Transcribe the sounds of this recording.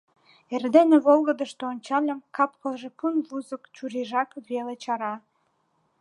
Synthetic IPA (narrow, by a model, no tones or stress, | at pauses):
erd̪enĕβolˠɣə̆d̪ə̆ʃt̪oonʲt͡ɕɑlʲə̆mkɑpkə̆lʒĕpunβuzə̆kt͡ɕuɾiʒɑkβelet͡ɕɑɾɑ